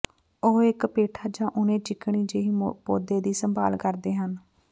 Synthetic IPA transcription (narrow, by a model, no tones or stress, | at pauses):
oːɪkpeːʈʰaːd͡ʒãːʔʊnẽːt͡ʃɪkɳ̃iːd͡ʒeːiːpoːd̪eːd̪iːsəmba̰ːlkəɾd̪eːɦən